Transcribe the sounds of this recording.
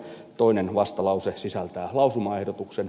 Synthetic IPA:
t̪oinenʋɑst̪ɑlɑusesisælt̪æːlɑusumɑːehdot̪uksen

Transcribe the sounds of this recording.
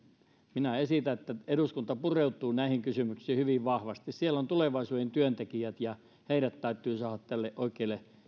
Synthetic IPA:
minæesiˑt̪æet̪ːæeɾuskunt̪ɑpureut̪ˑuːnæˑihiŋkysymyksiːhyʋiʋʋɑhʋɑst̪issielont̪uleʋɑisuːjent̪yønt̪ekijæt̪jɑ | heiɾæt̪t̪æyt̪ːˑyːsɑːhɑt̪t̪ælːeʔoˑikeilːe

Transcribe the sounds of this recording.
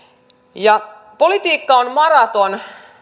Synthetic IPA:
jɑ | po̞lit̪iːkːɑonmɑrɑt̪on

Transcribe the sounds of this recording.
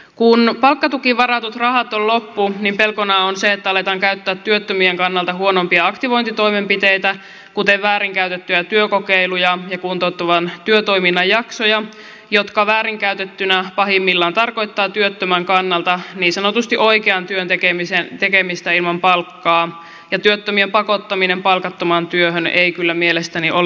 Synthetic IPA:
kunpɑlkːɑt̪ukiʋɑrɑt̪ut̪rɑhɑt̪ollopːunimpelkonɑonseet̪ːæɑlet̪ɑːŋkæyt̪ːæːt̪ːyøt̪ːømyːeŋkɑnːɑlt̪ɑɦuo̞no̞mpiɑɑkt̪iʋo̞jnt̪it̪o̞jmempit̪ejt̪æ | kut̪eʋʋæːɾiŋkæyɥt̪et̪ːyjæt̪yøko̞keilujɑjɑkunt̪out̪ːuʋɑnt̪yøt̪o̞iminːɑjɑkso̞jɑ | jot̪kɑʋæːɾiŋkæyt̪et̪ːynæpɑɦimːilːɑːnt̪ɑrko̞it̪ːɑːt̪yøt̪ːømæŋkɑnːɑlt̪ɑniːnsɑnot̪ust̪iʔo̞ikeɑnt̪yønt̪ekemisent̪ekemist̪æilmɑmpɑlkːɑː | jɑt̪yøt̪ːømiempɑkot̪ːɑminempɑlkɑt̪ːomɑːnt̪yøhøneikylːæmielest̪æniʔol

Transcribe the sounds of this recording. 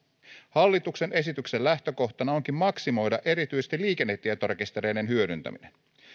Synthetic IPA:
hɑlːit̪ukse̞ne̞sit̪ykse̞llæht̪ø̞ko̞ht̪ɑnɑo̞ŋkimmɑksimo̞jdɑʔe̞ɾit̪yjsest̪iliːkenːe̞t̪ːiet̪ɑrkist̪eɾejde̞nɦyødy̰nt̪æ̰minen

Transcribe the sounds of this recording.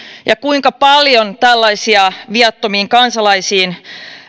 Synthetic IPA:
jɑkuiŋkɑpɑljont̪ælːɑisiɑʋiɑt̪ːomiːŋkɑnsɑlɑisiːn

